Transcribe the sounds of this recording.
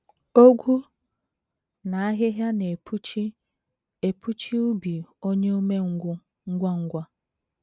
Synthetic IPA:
o˦ɡʷu˦ | na˨a˦ɦɪ˦ɦja˦ne˨pʰu˦t͡ʃi˦ | e˨pʰu˦t͡ʃi˦u˦bi˨o˦ɲe˦o˦me˦ | ŋ̩˦ɡʷa˦ŋ̩˦ɡʷa˦

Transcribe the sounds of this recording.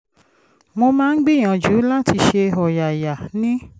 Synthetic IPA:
mo˧mãː˦ɡ͡bi˦˨j̃ã˨d͡ʒuː˨˦la˦ti˧ʃe˧ɔ˨ja˨ja˨nĩ˦

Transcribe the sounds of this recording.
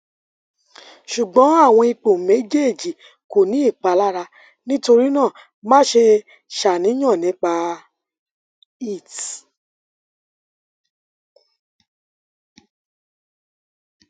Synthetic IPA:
ʃu˨ɡ͡bɔ̃˨˦a˦˨w̃ɔ̃˧i˧k͡po˨me˨˦d͡ʒe˦˨d͡ʒi˨ | ko˨nĩ˨˦i˦˨k͡pa˧la˦ɾa˧ | nĩ˦to˧ɾi˦nã˦˨ | mã˦ʃe˧ | ʃa˨nĩ˨˦j̃ɔ̃˦˨nĩ˨˦k͡pa˧ | i˦˨t

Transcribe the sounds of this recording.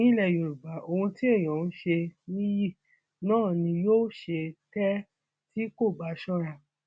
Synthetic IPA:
ĩ˦lɛ˦˨jo˨ɾu˨ba˨ʔo˧hũ˧ti˦e˦˨j̃ɔ̃˨n̩˦ʃe˧nĩ˦ji˦˨ | nãː˦˨nĩ˧joː˦ʃe˧tɛ˦ | ti˦ko˦˨ba˨˦ʃɔ̃˦ɾa˧˨

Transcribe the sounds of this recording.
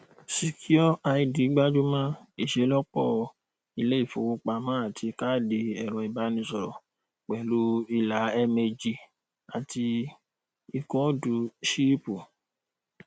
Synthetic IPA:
si˨kʰi˦ɔ˦a˧i˧di˨˦ɡ͡ba˦d͡ʒu˦mã˦i˦˨ʃe˨˦lɔ˦k͡pɔ˦˨ | i˧le˦i˦˨fo̰˨wu˦k͡pa˧mã˦a˦˨tʰi˧ka˦˨de˧ɛ˨ɾ̃ɔ̃˨i˨ba˨˦nĩ˧sɔ˧ɾɔ˨ | k͡pɛ˨lu˦i˧la˨˦ɛ˧me˧d͡ʒi˧ | a˨ti˧ | i˨kɔ̃˨˦du˨˧ʃi˦pu˨

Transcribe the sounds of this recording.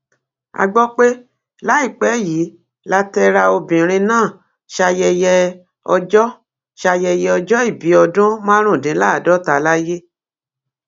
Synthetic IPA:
a̰˧ɡ͡bɔ˦k͡pe˦ | la˨˦i˦˨k͡pɛ˨˦ji˨˦ | la˦tɛ˧ɾa˧o˧bĩ˨ɾ̃ĩ˧nãː˦˨ | ʃa˧jɛ˧jɛ˧ | ɔ˧d͡ʒɔ˦ | ʃa˧jɛ˧jɛ˧ɔ˧d͡ʒɔ˦i˦˨bi˨˦ɔ˧dũ˦mã˦ɾ̃ũ˦˨dĩ˨˦la˦˨dɔ˨˦ta˧˨la˦je˦

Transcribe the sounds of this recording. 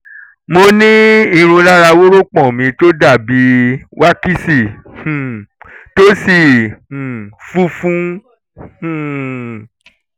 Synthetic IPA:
mo˧nĩ˦i˧ɾ̃ũ˧la˦ɾa˧wo˦ɾo˦k͡pɔ̃˦˨mĩ˧to˦da˦˨bi˨˦wa˦ki˦si˨hũ˨to˦si˦˨h̩˨fu˦fũ˦ | hũ˨

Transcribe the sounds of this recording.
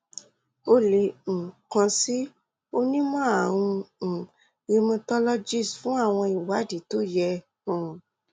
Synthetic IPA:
o˦lẽ˨kã˧si˦ | o˦nĩ˦mɔ̃˦ã˨ũ˧˨ | ɾi˧mũ˧tɔ˦lɔ˦d͡ʒi˦˨sfũ˨˦a˦˨w̃ɔ̃˧i˨wa˨˦di˨˦to˦jɛ̃˧˨

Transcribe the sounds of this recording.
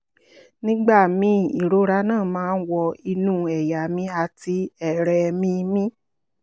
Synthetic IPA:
nĩ˦ɡ͡ba˦˨mĩ˨˦ḭ˨ɾo˨˦ɾa˧˦nãː˦˨mãː˦˧n̩˦wɔ˧i˧nũ˦ɛ˨ja˨mĩ˧˦a˧ti˧ɛ˨ɾɛ˨˧mĩ˧mĩ˦

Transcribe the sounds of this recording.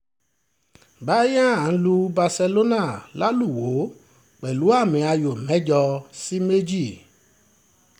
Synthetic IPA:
ba˨˦jã˦a˨ñ̩˦lu˧ba˧sɛ˧lo˦na˦˨la˦lu˦˨wo˨˦ | k͡pɛ˨lu˨˦a˦˨mĩ˧a˧jo˨mɛ̃˨˦d͡ʒɔ˧si˦me˦d͡ʒi˦˨

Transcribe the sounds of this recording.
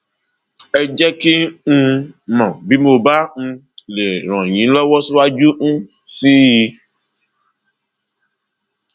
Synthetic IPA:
ɛ˨d͡ʒɛ˦ki˦nũ˦mɔ̃˨bi˦mo˧ba˦n̩˦˧ | le˨ɾ̃ɔ̃˨ɲĩ˨˦lɔ˦wɔ˦su˦wa˦d͡ʒu˦n̩˦si˦ji˧

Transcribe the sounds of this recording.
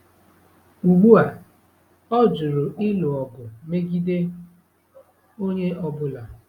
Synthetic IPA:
u˨ɡ͡bu˦a˨ | ɔ˦d͡ʒʊ˨ɾʊ˨ʔɪ˦lʊ˨ɔ˨ɡʊ˨me˦ɡi˦de˦ | o˦ɲe˦ʔɔ˦bʊ˦la˨

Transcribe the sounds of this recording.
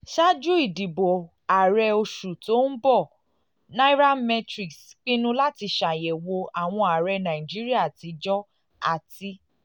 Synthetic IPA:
ʃa˦d͡ʒu˦i˦˨di˨bo˨ | a˨ɾɛ˧o˧ʃu˨to˦n̩˦bɔ˦˨ | nã˦i˦ɾa˦mɛ˧tɾi˨ksk͡pĩ˦nũ˦la˦ti˧ʃa˨jɛ˨wo˧a˨w̃ɔ̃˧a˨ɾɛ˧nã˨i˨d͡ʒi˦ɾi˦a˦˨ti˧d͡ʒɔ˦ | a̰˦˨ti˧

